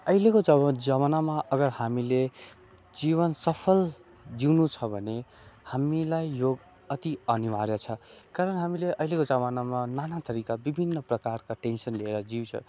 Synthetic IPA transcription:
ʌilekod͡zʌd͡zaβanamaʔʌɡʌrhamile | d͡ziβʌnsʌpʰʌl | d͡ziwnut͡sʰʌbʱʌne | hamilajːoɡ | ʌt̪iʌniwaɾjat͡sʰʌkaɾʌnɦamileʔʌilekod͡zaβanamananat̪ʌɾikabibʱinːʌprʌkarkaʈensʌnlieɾʌd͡ziwt͡sʰʌ̰

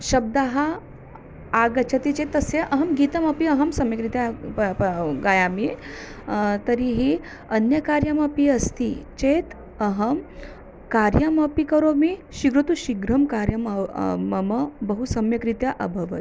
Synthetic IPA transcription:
ʃəb̚d̪aɦaː | ɡɐt͡ɕʰɐt̪it͡ɕet̪ːɐseʔɐɦɐmɡit̪əmɐpiəɦɐmsɐmjɐkɾit̪ja | ɡajami | t̪ɐɾiɦi | ɐnjəkaɾjamɐpiɐst̪it͡ɕet̪ | əɦəm | kaɾjamɐpikəɾomiɕiɡɾut̪uɕiɡɾɐmkaɾjɐmmɐməbɐɦusɐmjɐkɾit̪jaʔəbʱəʋə̰t̪

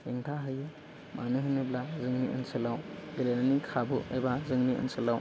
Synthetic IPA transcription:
heŋtʰaɦɯjɯ | mʔanɯɦɯnɯblazɯŋniʔɯnsɯlawɡelenanikʰabuḛbazɯŋniʔɯ̰nsɯlaw

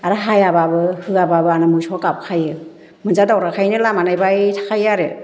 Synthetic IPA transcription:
aɾaɦajababɯhɯababɯanamɯjsʰɔkap̚kʰajɯ | mɯnzadawɾakʰajnɯlamanajbajtʰḁkʰajaɾe

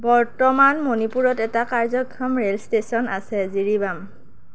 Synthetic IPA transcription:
bɔɹtɔmanmonipuɹɔtɛtakaɹzɔɡʱamɹelstesɔnasɛziɹibam

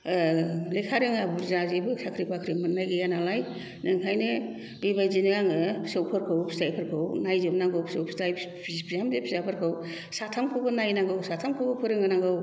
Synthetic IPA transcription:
lekʰaɾɯŋabuɾzazebɯsakʰɾipʰakʰɾimɯnːajɡɯjanalaj | nɯŋkʰajnɯ | dijbajzinɯɡaŋɯsɯwpʰɯɾkʰɯwpʰi̥zajpʰɯɾkʰɯwnajzɯmnaŋɡɯwpʰsɯwpʰizaj | ipʰizamzepʰizajpʰɯɾkʰɯw | satʰamkʰɯbɯnajnaŋɡɯwsatʰamkʰɯwbɯpʰɯɾɯŋɯnaŋɡɯw

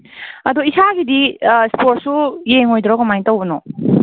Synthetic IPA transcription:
ɐduisaɡidispoɾt̚sujeŋojdɾɔɡɐmajntawbɐnɔ

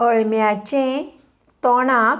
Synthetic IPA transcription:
əɭmjat͡ɕẽ | t̪ɔnã

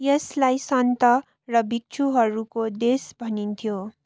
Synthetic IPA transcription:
jeslajsʌnt̪ʌ | rʌbik̚t͡ʃʰuɦʌɾukod̪esbʱʌnint̪ʰjo

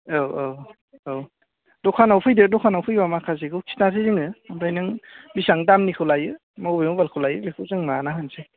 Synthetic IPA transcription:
awaw | aw | dɔkʰanawpʰɯjdɯdɔkʰanawpʰɯjbamakʰazeɡʰɯwkʰi̥nasʰiziŋɯamɾajnɯŋbisaŋdamnikʰɯwlajɯ | mawbejmubalkʰɯwlajɯlikʰɯzɯŋmanaɦɯnse

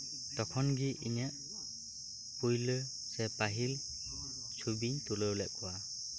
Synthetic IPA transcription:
tɔkʰɔnɡiʔinaʔ | pujlɯ | sɛpaɦil | sʰubiɲtulɯwlɛʔkuwa

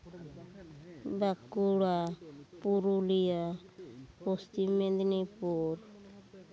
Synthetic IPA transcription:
bakuɽapuɾulia | pɔst̪imɛnd̪nipuɾ

